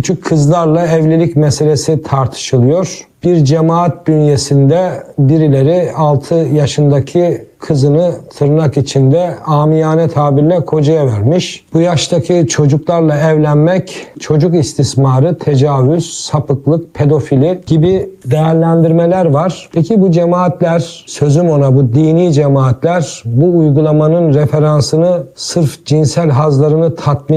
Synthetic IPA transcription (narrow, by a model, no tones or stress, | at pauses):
yt͡ʃʰykʰːɯzlˠaɾlˠaɛvlʲelʲicmɛse̞lʲe̞sit̪ʰaɾt̪ʰɯ̥ʃɯlˠɯjo̞ɾ̥b̥iɾd͡ʒemaːt̪̚d̪ynje̞sind̪ɛbiɾilʲe̞ɾialˠt̪ʰɯjaʃɯnd̪acʰikʰɯzɯnɯt̪ʰɯɾnakit͡ʃʰind̪ɛaːmijaːnɛt̪ʰaːbiɾlʲɛkʰo̞d͡ʒajavæɾmiʃb̥ujaʃt̪ʰacʰit͡ʃʰo̞d͡ʒuklˠaɾlˠaɛvlʲænmɛct͡ʃʰo̞d͡ʒukist̪ʰismaɾɯt̪ʰe̞d͡ʒaːvyz̥sapɯklˠɯk̚pʰe̞d̪o̞filʲiɟ̥ibid̪e̞jæɾlʲænd̪iɾmelʲæɾvaɾ̥pʰecʰibud͡ʒemaːt̪lʲæɾ̥sø̞zymo̞nabud̪iːniːd͡ʒemaːt̪lʲæɾbuːjɡulˠamanɯnɾefe̞ɾansɯnɯsɯɾfd͡ʒinsælʲɦazlˠaɾɯnɯt̪ʰat̪m